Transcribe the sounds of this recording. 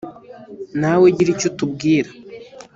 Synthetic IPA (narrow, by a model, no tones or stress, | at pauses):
nawe̞ɟiɾicotub̚ɡiːɾa